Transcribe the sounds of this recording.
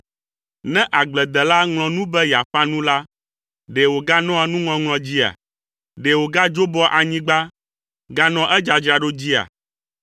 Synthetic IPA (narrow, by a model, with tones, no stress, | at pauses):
nɛ̃˦ʔa˨ɡ͡blɛ˨d̪ɛ˨la˦ŋlɔ̃˨nũ˦bɛ˦ja˨ɸa˦nũ˦la˦ | ɖe˨wo˨ɡa˦nɔ̃˦a˨nũ˦ŋɔ̃˨ŋlɔ̃˨d͡ʑi˦a̰˨ | ɖɛ˨wo˨ɡa˦d͡ʒo˦bɔ˦ʔa˨ɲĩ˦ɡ͡ba˦ | ɡa˦nɔ̃˦ʔɛ˦d͡ʒa˨d͡ʒɾa˨ɖo˦d͡ʑi˦a̰˨